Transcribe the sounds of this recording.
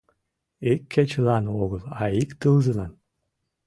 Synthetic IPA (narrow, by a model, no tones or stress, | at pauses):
ekʲʰːet͡ɕəlˠɑnoɣəlˠɑikt̪ɨlzəlˠɑn